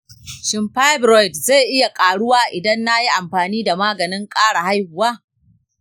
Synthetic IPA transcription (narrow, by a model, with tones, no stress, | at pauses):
ʃɪ˨mɸa˦jbɾɔ˦˨jtze˦˨ʔɪ˦ja˨kʼaː˨ɽʊ˦waː˦ʔɪ˨dɐ˦nːa˦ji˦ʔa˨mɸaː˨niː˦da˨maː˦ɡɐ˨nɪ˦ŋkʼaː˦ɽa˨ha˦jhʊ˨waː˦